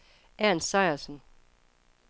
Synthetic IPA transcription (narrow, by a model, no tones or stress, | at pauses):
æɐnsɑ̈ɪɐsən̩